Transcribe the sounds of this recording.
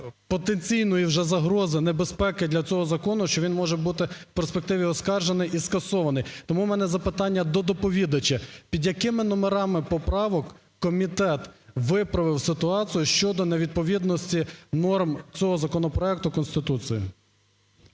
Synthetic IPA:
pɔt̪enʲt͡sʲijnɔjiwʒɛzɐɦɾɔzɪnebespɛkɪd̪lʲɐt͡sʲɔɦɔzɐkɔnʊʃt͡ʃɔʋʲinmɔʒɛbut̪ɪwperspek̚t̪ɪʋʲiɔskɑrʒenɪjʔiskɐsɔʋɐnɪjt̪ɔmumɛnɛzɐpɪt̪ɑnʲːɐd̪ɔd̪ɔpɔʋʲid̪ɐt͡ʃɐpʲid̪ʲjɐkɪmɪnɔmeɾɑmɪpɔpɾɑʋɔkː | ɔmʲit̪ɛt̪ʋɪpɾɐʋɪwsɪt̪ʊɑt͡sʲijʊʃt͡ʃɔd̪ɔneʋʲid̪̚pɔʋʲid̪nɔsʲtʲinɔrmt͡sʲɔɦɔzɐkɔnɔpɾɔɛk̚t̪ʊkɔnst̪ɪt̪ut͡sʲijḭ

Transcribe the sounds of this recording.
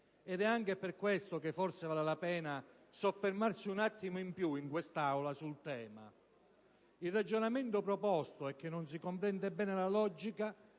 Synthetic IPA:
ɛd̪ɛaŋk̟eperkwest̪ok̟efːɔrsevaːlelapɛːna | sofːermarsiunat̪ːimoimpjuiŋkwest̪awlasult̪ɛːma̰ | ilrad͡ʒonament̪opɾopɔst̪oɛk̟ːenːons̬ikompɾɛnd̪ebɛːnelalɔd͡ʒika

